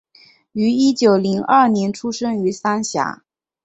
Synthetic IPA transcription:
y˧˥i˥t͡ɕjo˨˩ʊli˧˥ŋɐ˞˥˩njɛ˧˥nʈ͡ʂʰu˥ʂɤ˥ŋy˧˥sa˥nɕja̰˧˥

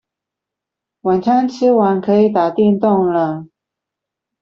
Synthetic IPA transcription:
wa˨˩nt͡ɕʰa˥nt͡ɕʰi˥wa˨˥nkʰɤ˧˥i˨˩t̪a˨˩t̪i˥˧nt̪ʊ˥˩ŋlə˨

